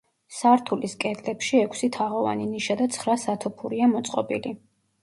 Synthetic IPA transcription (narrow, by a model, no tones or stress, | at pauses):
saɾt̪ʰuliskʼɛd̪lɛpʃiɛkʷʰsit̪ʰaʁɔva̰niniʃad̪at̪sʰχɾasat̪ʰɔpʰuɾiamɔt̪sʼqʼɔ̰bili